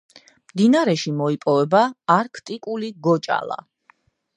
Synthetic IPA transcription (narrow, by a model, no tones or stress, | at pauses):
md̪inaɾɛʃimɔipʼɔvɛbaːɾkʰt̪ʼikʼuliɡɔt͡ʃʼa̰lˠa̰